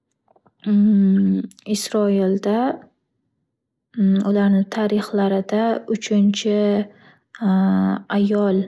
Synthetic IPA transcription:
ɪsɾɒild̪a | ʊlaɾnɪt̪ʰaɾɪχlaɾɪd̪aʊt͡ʃʰɪnt͡ʃʰɪ | ajɒlˠ

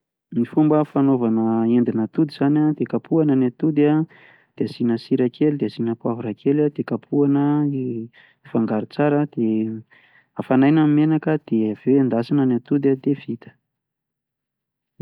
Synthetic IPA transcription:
mifumbəfanovanəend̪inət̪ud̪iz̥anad̪ekapʰuanənat̪ud̪a | d̪̥eazinəsiɾakʰelid̪eazinəpwavuɾakʰelad̪ekapʰuanəi | ifaŋɡaɾit͡saɾəd̪̥e | afanajnamimenakəd̪̥ev̥eweand̪asinənat̪ud̪ad̪ev̥it̪ə̥

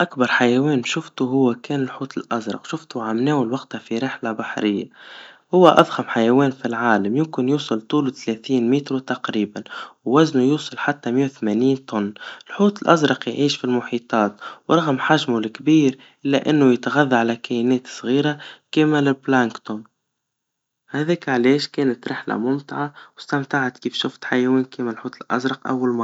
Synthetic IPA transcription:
ʔakbɑɾˤħajæwɛːnʃʊft̪uɦʊwːækɛːnɪlħuːt̪ɪlʔazɾˤɑ̰qʃʊft̪uʕamnɛːwɪlwɑqt̪hafiɾɪħlabaħɾɪjːahʊwːæʔæðˤxamħajæwɛːnfilʕaːlamjʊmkɪnjuːsˤɑlt̪ˤuːlt̪lɛθiːnmiːt̪ɾut̪ɑqɾiːbanwːæznujuːsˤɑlħat̪ːæmjːawθmæniːnt̪ʊnːɪlħuːt̪ˤɪlʔazɾˤɑqjʕiːʃfilmʊħiːt̪ˤɑːt̪wɾˤɑɣmħaʒmʊlɪkbiːɾ | ʔɪlːæʔɪnːʊjɪt̪ɣaðːaʕalækæjnɛːt̪sˤɣiːɾakæːmɪlɪblæŋkt̪ʊm | hæðɛːkʕalɛːʃkɛːnət̪ɾɪħlæ̰mʊmt̪ɪʕawɪst̪amt̪aʕat̪kiːfʃʊft̪ħajæwɛːnkiːmælħuːt̪ˤɪlʔa̰zɾˤɑqʔa̰wːalmɑˤ

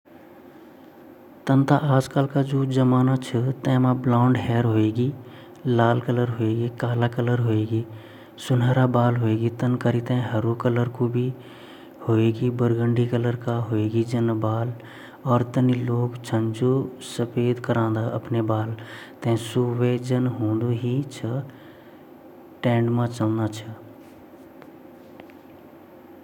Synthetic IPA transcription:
t̪ənt̪ʰaʔaːd͡ʒkəːlkad͡ʒuːd͡ʒəmaːnat͡ʃʰət̪ɛ̃ːmãblɔ̃ːɳɖɦɛːɾɦoːeːɡiː | laːlkələɾɦoeːɡikaːlakələɾɦoːeːɡiː | sʊnɦəɾabaːlɦoːeːɡit̪ənkəɾit̪ɛ̃ɦəɾukələɾkobʱi | hoːeːɡibəɾɡə̃ɳɖikələɾkaɦoːeːɡid͡ʒənbaːl | ɔːɾt̪əniloːɡt͡ʃʰə̃nd͡ʒosəpeːd̪kəɾãːnd̪aʔəpnebaːlt̪ẽsuʋed͡ʒənɦũːnd̪uɦit͡ʃʰə | ʈɛ̃ːɳɖmãt͡ʃəlnat͡ʃʰə

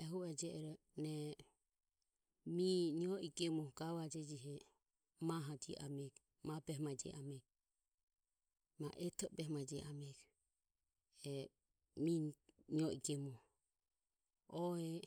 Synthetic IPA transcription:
ɛɦuɛd͡ʒɛʔɛɾɛ | nɛ | miniɔʔiɡɛmɔɡ̥awad͡ʒɛd͡ʒiɦɛ | maɦad͡ʒiʔa̰mɛk | mabɛhmad͡ʒɛ̰ʔamɛk | maʔɛt̪ʰɔbɛhmad͡ʒɛʔamɛk | ɛ | miniɔiɡɛmɔ | ɔɛ

